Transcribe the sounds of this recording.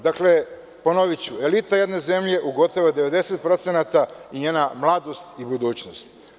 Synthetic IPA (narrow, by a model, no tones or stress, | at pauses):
d̪akle̞ | ponoʋit͡ɕue̞lit̪ajed̪ne̞ze̞mʎe̞ʔuɡo̞t̪oʋod̪e̞ʋe̞d̪e̞se̞t̪̚pɾo̞t̪senat̪aiɲe̞ːnamlˠad̪o̞st̪ibud̪uːt͡ɕnost̪